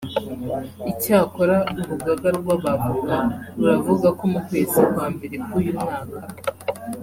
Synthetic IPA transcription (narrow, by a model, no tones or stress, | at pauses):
icaːko̞ɾauɾuɡaɡaɾɡwaβaɡuwauɾavuɡakomukweːzikwaːmbe̞ɾekujumŋaːka